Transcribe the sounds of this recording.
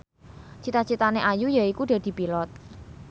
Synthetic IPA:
t͡ʃit̪at͡ʃit̪aneʔajujaikuɖ̥ɛ̤d̪̥i̤pilɔt̪̚

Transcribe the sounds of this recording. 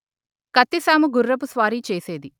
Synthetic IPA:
kɐt̪ːisaːmuɡurːɐp̬usʋaːɾiːt͡ʃeːseːd̪i

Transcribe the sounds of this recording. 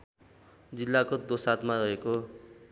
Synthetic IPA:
d͡zilːakod̪osat̪marʌɦeko

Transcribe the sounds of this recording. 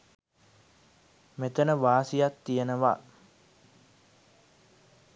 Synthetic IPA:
met̪ənəʋaːsijat̪ːijənəʋa̰

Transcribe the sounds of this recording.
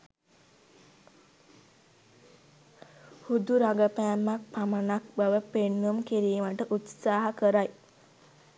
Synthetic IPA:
hud̪uɾaɡəpæːmːak̚pamənak̚baʋəpenːumkiɾiːməʈəʔut̪saːɦakəɾaj

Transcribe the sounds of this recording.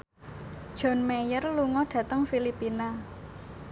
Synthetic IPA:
d̥ʒ̥ɔ̤nmejərluŋɔɖ̥ä̤t̪əŋfilipina

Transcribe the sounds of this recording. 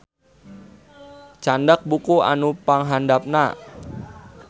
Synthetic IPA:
t͡ʃandak̚bukua̰nupaŋɦandap̚na

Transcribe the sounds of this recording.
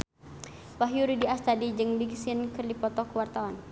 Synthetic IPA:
waɦjuɾidiast̪adid͡ʒɨŋbiɡsinkərlipɔt̪ɔkuwart̪awan

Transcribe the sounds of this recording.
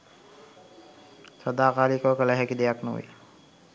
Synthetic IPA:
səd̪aːkaːɾikɔkələɦɛkid̪ejaknṵʋḭj

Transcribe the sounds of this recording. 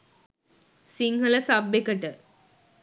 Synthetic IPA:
siŋɡɐlɐsɐbːekɐʈə

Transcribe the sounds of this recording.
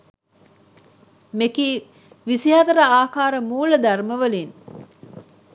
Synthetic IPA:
mekiː | ʋisiɦɐt̪ɐɾɐaːkaːɾəmuːləd̪ɐrməʋəlin

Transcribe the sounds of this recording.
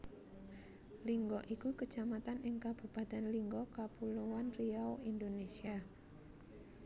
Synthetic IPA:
liŋɡɔʔikukət͡ʃamat̪anʔɪŋkab̥ṳpat̪ɛnliŋɡɔkapuluwanriawind̪onesia

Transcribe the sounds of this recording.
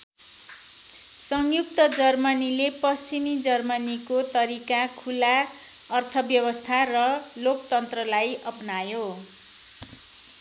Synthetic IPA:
sʌŋjuk̚t̪ʌd͡zʌrmʌnilepʌst͡simid͡zʌrmʌnikot̪ʌɾikakʰula | ʌrt̪ʰʌbjʌβʌst̪ʰarʌ | lokt̪ʌnt̪rʌlajʔʌpnajo

